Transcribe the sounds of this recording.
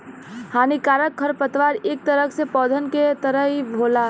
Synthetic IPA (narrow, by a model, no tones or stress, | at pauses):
hanikaɾək̚kʰːəɾpət̪ʋaɾek̚t̪əɾəksepɔːd̪ʱənket̪əɾəɦibʱola